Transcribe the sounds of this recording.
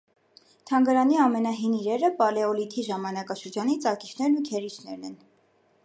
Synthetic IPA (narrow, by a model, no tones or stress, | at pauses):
t̪ʰɑŋɡɑɾɑniɑmɛnɑɦiniɾɛɾəpɑlɛɔlit̪ʰiʒɑmɑnɑkɑʃəɾd͡ʒɑnit͡sʰɑki̥t͡ʃʰn̪ɛɾnukʰɛɾit͡ʃʰnɛɾnɛ̰n